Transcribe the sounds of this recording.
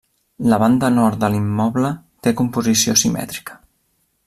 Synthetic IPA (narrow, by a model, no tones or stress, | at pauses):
ləβ̞and̪ənɔɾt̪̚d̪əlimːɔβlə | t̪ekumpuzisiosimɛ̰t̪ɾi̥kə̥